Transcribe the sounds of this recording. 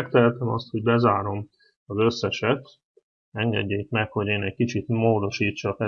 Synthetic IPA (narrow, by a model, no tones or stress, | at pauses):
ɛkt̪ɛɛlt̪ɛmɒ̰st̪ho̞ɟ̚bɛzaːɾo̞m | ɒzø̞sːɛʃɛt̪ | ɛŋɡɛ̰ɟːeːkmɛkho̞ɟeːnɛckit͡ʃit̪moːd̪o̞ʃiːtt͡ʃːɒkɛ